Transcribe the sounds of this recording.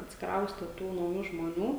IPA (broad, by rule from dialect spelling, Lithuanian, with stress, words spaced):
ɐtʲsʲɪkˈrɐʊsʲtʲɛ ˈtuː nɐʊˈjuː ʒmoːˈnʲuː